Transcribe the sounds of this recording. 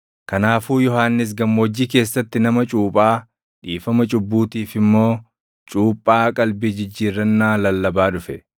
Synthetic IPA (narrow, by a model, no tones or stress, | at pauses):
kɐnaːfuːjɔhaːnːɪs̬ɡɐmːoːd͡ʒːiːke̞ːsːɐt̪ːɪnɐmɐt͡ʃʼuːpʼaː | ᶑiːfɐmɐt͡ʃʼʊbːuːt̪iːfɪmːo̞ː | t͡ʃʼuːpʼːaːkʼɐlbɪd͡ʒɪd͡ʒːiːrːɐnːaːlɐlːɐbaːᶑʊfɛ